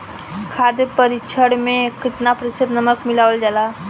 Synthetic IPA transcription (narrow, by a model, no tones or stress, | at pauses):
kʰad̪epəɾit͡ʃʰəɽmekit̪napɾisid̪nəməkmilaʋəld͡zala